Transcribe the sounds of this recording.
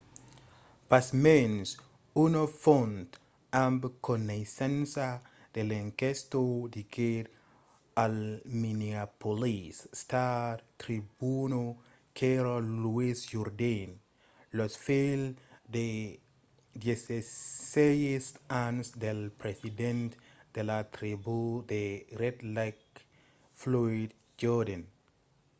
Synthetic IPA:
pasmens | unofont̪ | ãmbkonesẽnsa | d̪̥elẽŋkest̪od̪ikʰeɾ | alminiapolisst̪adt̪ɾibuno | kʰeɾoluisd͡ʒɔɾdẽn | lɔsfeld̪e | dɛsesɛɹiɛstansd̪ɛlpɾɛsidɛ̃ntd̪̥ɛlat̪ɾibud̪eɾɛdlak̚ | flɔid̚ | d͡ʒɔdãn

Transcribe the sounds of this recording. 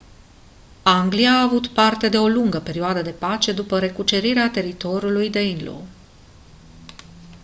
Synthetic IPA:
aŋɡliaːvut̪part̪e̞d̪e̞o̞luŋɡəpe̞ɾioad̪əd̪e̞pat͡ʃe̞d̪upəɾe̞kut͡ʃe̞ɾiɾeat̪e̞ɾit̪o̞ɾulujd̪e̞inlo̰

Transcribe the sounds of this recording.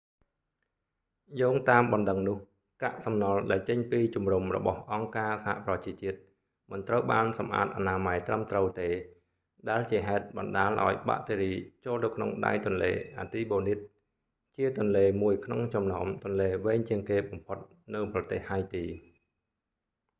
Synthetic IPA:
joːŋt̪aːmɓɑnɗəŋnʊ̆əh | ka̰ʔsɑmnɑlɗaɛlt͡ɕəɲpiːt͡ɕumrumrɔ̰ɓɑhʔɑŋkaːsaha̰ʔprɑt͡ɕiət͡ɕiət̪̚ | mɨnt̪rəwɓaːnsɑmʔa̰ːt̪̚ʔanaːmajt̪rəmt̪rəwt̪eː | ɗaɛlt͡ɕiəɦaɛt̪̚ɓɑnɗaːlʔa̰ɔjɓa̰ʔt̪eːɾiːt͡ɕoːlt̪ɨwkʰno̰ŋɗa̰jt̪ŭənlḛːʔa̰ːt̪iːɓoːnit̪̚ | t͡ɕiət̪ʊ̆ənleːmuəjkʰnoŋt͡ɕɑmna̰ɔmt̪ʊ̆ənleːʋeːɲt͡ɕiəŋkeːɓɑmpʰot̪̚ | nɨwprɑt̪eːhhajt̪iː

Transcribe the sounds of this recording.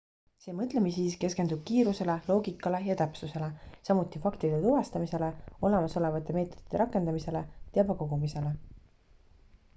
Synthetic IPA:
se̞ːmɤt̪ˑle̞mis̬iːske̞skend̪ub̥kiːɾuse̞le̞lo̞ːɡikːˑɑle̞jɑt̪æpsuse̞le̞sɑmut̪ːˑifɑkt̪id̪et̪uvɑst̪ɑmise̞le̞o̞le̞mɑso̞le̞vɑt̪ːˑe̞me̞ːt̪ːˑo̞d̪̥i̥t̪ːeɾɑkːˑe̞nd̪ɑmise̞le̞t̪eɑbɑko̞ɡumise̞le̞

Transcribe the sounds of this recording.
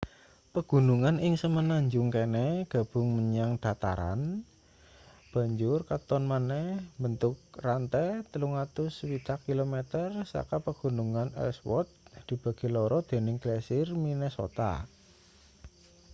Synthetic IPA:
pəɡ̥ṳnuŋanɪŋsəmənaɲd͡ʒʊŋkenɛɡ̥ä̤b̥ʊ̤ŋməɲaŋd̪̥a̤t̪a̰ɾa̰n | b̥ä̤ɲd͡ʒʊrkat̪ɔnmanɛhbənt̪ʊk̚rant̪ɛt̪əluŋat̪ʊswit̪akːilomɛt̪ərsa̰kapəɡ̥ṳnuŋanɛ̰lswɔ̰t̪̚d̪̥i̤b̥a̤ɡ̥e̤lɔɾɔd̪̥e̤nɪŋɡ̥lɛsɪrminɛso̰t̪a̰

